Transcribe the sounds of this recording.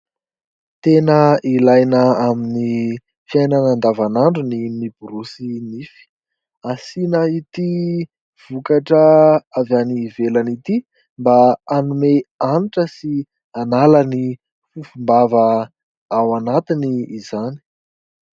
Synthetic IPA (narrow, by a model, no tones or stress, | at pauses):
t̪enəilajnəamini | fiajnanand̪avanaɳɖ͡ʐunimib̥uɾusinifi̥ | asinəit̪i | v̥ukaʈ͡ʂəavjanivelanit̪i | mbaanumeaniʈ͡ʂəsi | analani | fufumbavə | awanat̪iniːzani̥